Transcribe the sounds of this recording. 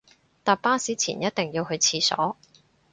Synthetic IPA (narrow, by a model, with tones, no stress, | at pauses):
t̪aː˨paː˥siː˨˥t͡sʰḭː˨˩njɐ˥t̚t̪ɪ˨ŋjiː˧wɦɵ˨˧ɥt͡sʰiː˧sɔ̰ː˨˥